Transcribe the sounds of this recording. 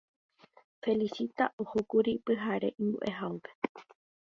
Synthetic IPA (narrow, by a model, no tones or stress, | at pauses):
fe̞lisit̪aʔohokuɾipɨɦaɾe̞ʔĩmbṵʔe̞ɦaope̞̥